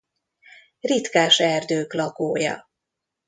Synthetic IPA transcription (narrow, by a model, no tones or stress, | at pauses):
rit̪kaːʃɛrd̪øːklɒkoːjɒ̰